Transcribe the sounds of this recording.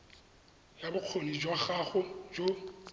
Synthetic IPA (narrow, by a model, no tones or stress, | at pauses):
jabʊq͡χʰonid͡ʒwaɣaɣʊd͡ʒo